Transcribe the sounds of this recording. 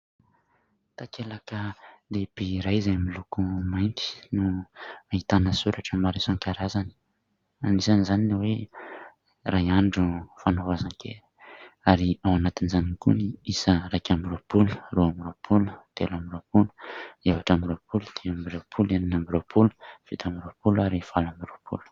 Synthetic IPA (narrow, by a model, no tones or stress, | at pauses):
t̪akelakəlebiɾajzajmilukumajnt̪i̥nuait̪anəsuɾaʈ͡ʂəmaɾisaŋkaɾazani̥ | anisanizaninewe | rajaɳɖ͡ʐufanovazaŋkḛɾi̥aɾiawanat̪inzanikṵniisərakʲambiɾopulu̥roambiɾopʰulu̥t̪elambiɾopulu̥evaʈ͡ʂambiɾopulud̪̥eambiɾopʰulaninambiɾopʰulu̥fit̪ambiɾopulaɾifalambiɾopʰṵlu̥